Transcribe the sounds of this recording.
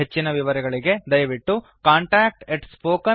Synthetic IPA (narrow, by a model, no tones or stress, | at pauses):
et͡ʃːinɐʋiʋɐɾɛɡɐɭiɡe̞d̪ɐjɐʋiʈːu | kaːɳʈɾaːk̚ʈeʈspoːkɐ